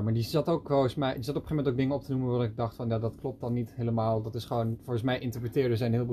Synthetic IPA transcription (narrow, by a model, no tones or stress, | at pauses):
maːɹdizɑtokfɔəsmɛjdizɑtɔpəχefmɛntowɡ̚dɪŋəɔp̚tənuməʋaːdɔnɪɡ̚dɑχtfɑnjaːdɑtklɔp̚tɑnːitɦeləmaːlˠdɑtɪsχəʋownfʊɹχənsmɛjʔɪntəɹprətɪːɹdəzɛjnɦɪːlb